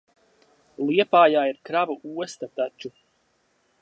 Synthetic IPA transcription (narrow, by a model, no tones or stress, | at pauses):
lˠiɛpaːjaːiɾkɾavuʔuɔst̪at̪at͡ʃu